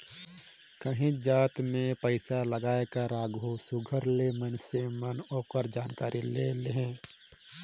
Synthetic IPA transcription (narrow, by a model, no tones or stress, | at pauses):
kəɦĩd͡ʒaːt̪mẽpəɪsaləɡaːekəɾaːɡosʊɡʱəɾlemənsemənoːkəɾd͡ʒaːnkaːɾʔileleɦẽː